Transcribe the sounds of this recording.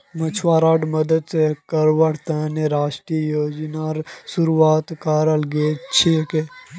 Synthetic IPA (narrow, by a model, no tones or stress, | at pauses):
mɐt͡ʃʰʋaːɾaːɖmɐd̪əd̪sekɐɾʋəɽt̪aːneɾaːʃʈɾijjoːd͡ʒnaːɾsuɾuaːt̪kaːɾəlɡeːt͡ʃʰeke